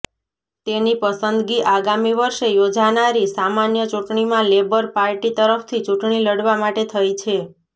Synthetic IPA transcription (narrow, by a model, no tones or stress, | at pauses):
t̪enipəsənd̪ɡiʔaɡamiʋəɾʃejod͡ʒanaɾisamanjət͡ʃuʈɳimãlebəɾpaɾʈit̪əɾəft̪ʰit͡ʃuʈɳiləɽʋamaʈet̪ʰəjt͡ʃʰe